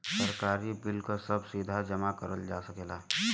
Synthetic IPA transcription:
səɾkaːɾibɪlkosəbsid̪ʱad͡ʒəmakəɾəld͡ʒa̰ːsəkeːlaː

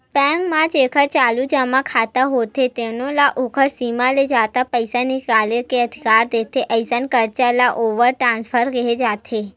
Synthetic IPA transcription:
pɛ̃ŋɡmãd͡ʒekʰəɾt͡ʃalud͡ʒamãkʰat̪aɦot̪ʰet̪enolaʔokʰəɾsimaled͡ʒat̪apəjsanikalekeəd̪ʱikaɾd̪et̪ʰeʔəjsənkəɾt͡ʃalaʔoʋəɾʈɾãnspʰəɾɡəɦed͡ʒat̪ʰe

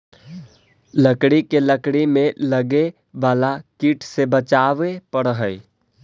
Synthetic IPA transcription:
ləkɽikeləkɽimẽləɡe | ʋaːlakiːʈʰsebət͡ʃaːʋepəɽɦəi

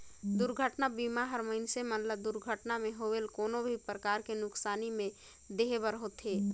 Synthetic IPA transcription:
d̪ʊɾɡʱəʈnabiːmaɦəɾməɦɪnsemənləb̚d̪ʊɾɡʱəʈnamẽɦoːʋelkoːnõbʱipɾəkaːɾkenʊksaːnimẽ | d̪eːɦbəɾɦoːt̪ɦeː

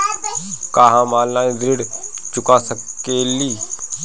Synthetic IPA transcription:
kaːɦãmaːlnaːĩd̪ɾɪɽt͡ʃʊkasəkːeliː

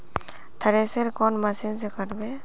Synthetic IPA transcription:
t̪ʰəɾeseɾkɔnmɐsinsekəɾbe

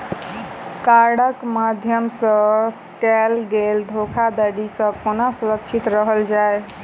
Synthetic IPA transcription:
kaɾɽəkmad̪ʱjəmsə̃ | kɛlɡeld̪ʱokʰad̪əɽisə̃konasuɾəkt͡ʃʰit̪ɾəɦəld͡ʒae

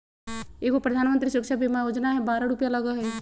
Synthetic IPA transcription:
ekopɾɐd̪ʱaːnmənt̪ɾisəkʃʰabʱimajoːd͡ʒnaɦɛbaːɾaɽupjalɐɡəɦɛ

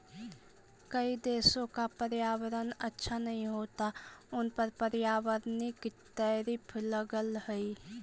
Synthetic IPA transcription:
kəid̪eːsõkapəɾjaːwəɾənətːʃʰanɐɦĩɦoːt̪aʊnpəɾpəɾjaːwəɾnikit̪ɛːɾɪpʰləɡəlhɛi

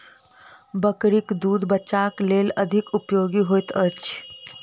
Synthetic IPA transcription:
bəkɽikd̪uːd̪ʱbəːʃakleləd̪ʱikupjoɡiɦojt̪ət͡ʃ

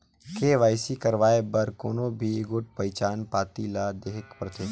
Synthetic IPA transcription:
keːʋaːɪsikəɾʋaːebəɾkoːnõbʱiɡʊʈ̚pɐɪt͡ʃaːnpaːt̪ilaːd̪eːɦɪkpɾət̪eː

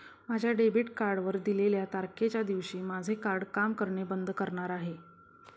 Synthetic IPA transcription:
mad͡ʑʱjaɖebiʈkaɾɖʋəɾd̪ileljat̪aɾkʰet͡ɕjad̪iʋɕiːmad͡zʱekaɾɖkamkəɾɳebənd̪kəɾɳaɾaɦe

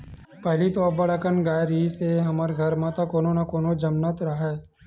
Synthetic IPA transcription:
pɛɦlit̪oɐbɐɽəkənɡaːjɾiseɦɐməɾɡʱɐɾmãt̪akoːnonakoːnod͡ʒɐmnət̪ɾaɦɛː

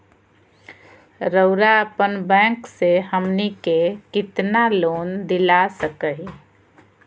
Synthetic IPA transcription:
ɾəʊɾaəpənbɛ̃kseɦəmnikekɪt̪naloːnd̪ɪlasəkəɦi

